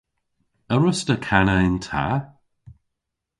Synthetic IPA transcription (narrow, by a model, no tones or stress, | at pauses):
əɹʊstəkʰanəɪntʰa̰